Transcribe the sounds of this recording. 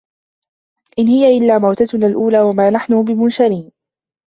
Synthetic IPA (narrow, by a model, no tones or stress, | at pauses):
ʔɪnhɪjaʔɪlːaːmawt̪at̪nalʔuːlaːwamaːnaħnʊbɪmʊnʃaɾiːn